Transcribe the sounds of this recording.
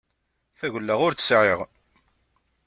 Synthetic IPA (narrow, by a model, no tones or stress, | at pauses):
θæɣəlːaʁʊɾt͡ssʕeʁ